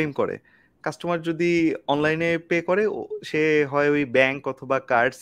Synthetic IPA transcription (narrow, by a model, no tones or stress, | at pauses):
emkoɾḛ | kasʈomaɾd͡ʑod̪iɔnlajnepekɔɾeʃeɦɔeojbɛŋkɔt̪ʰobakaɾɖs